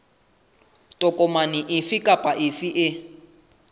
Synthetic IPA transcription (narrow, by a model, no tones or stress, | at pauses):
tʼɔkʼɔmanɪʔɪfɪkʼapʼaʔɪfiʔɪ